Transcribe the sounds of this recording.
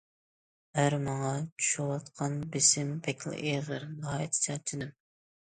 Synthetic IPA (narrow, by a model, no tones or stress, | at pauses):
hæɾmɑŋɑt͡ʃʰu̥ʃuwɑt̪qʰɑnbɪsɪmbɛkʲʰl̰ˠʔeʁəɾnɨhɑːjɛt̪ʰt͡ʃʰɛt͡ʃ̪ʰɪd̪ɪm